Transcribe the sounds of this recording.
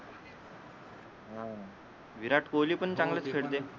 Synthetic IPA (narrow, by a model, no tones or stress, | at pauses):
ɦã | ʋiɾaʈkoliːpəɳt͡ɕãŋɡlət͡skʰeɽd̪e